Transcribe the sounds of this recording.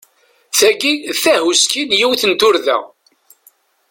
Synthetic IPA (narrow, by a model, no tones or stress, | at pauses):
θæɡiθæhuskinjiwθənt̪ʊɾðæ̰